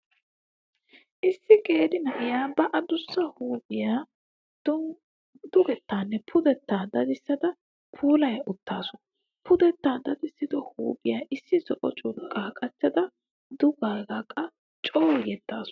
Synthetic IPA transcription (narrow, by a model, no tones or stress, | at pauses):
ʔɪsːɪkʼeːd̪ɪnɐʔɪjaːbɐʔɐd̪ʊsːɐhuːbɪjaː | d | d̪ʊɡɛt̪ːaːnːɛpʰʊd̪ɛt̪ːaːd̪ɐd̪ɪsːɐd̪ɐ | pʰuːlɐjɐʔʊt̪ːaːsɔ | pʰʊd̪ɛt̪ːaːd̪ɐd̪ɪsːɪd̪ɔhuːbɪjaːʔɪsːɪzɔʔɔt͡ʃʼʊɾkʼːaːkʼɐt͡ʃːɐd̪ɐ | d̪ʊɡaːɡɐkʼːɐ | t͡ʃʼoːjɛd̪ːaːsʊ̥